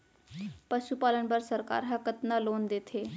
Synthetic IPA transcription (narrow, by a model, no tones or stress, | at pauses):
pəʃupalənbəɾsəɾka̰ɾɦəkət̪naloːnd̪et̪ʰe